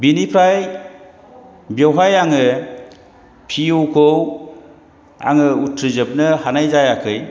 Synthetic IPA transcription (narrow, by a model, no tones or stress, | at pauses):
binipʰɾaj | bjawɦajaŋɯ | pʰiuwkʰow | a̰ŋɯutʰɾɯzɯp̚nɯhanajzajakʰɯj